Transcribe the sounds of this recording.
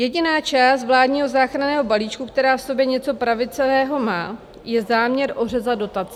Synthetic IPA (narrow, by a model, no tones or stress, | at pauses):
jɛɟɪnaːt͡ʃaːst̪vlaːdɲiːɦo̞zaːxɾanɛːɦo̞baliːt͡ʃkukt̪ɛɾaːfso̞bjɛɲɛt͡so̞pɾavɪt͡sɛvɛːɦo̞maː | jɛzaːmɲɛɾʔo̞rɛzado̞t̪at͡sɛ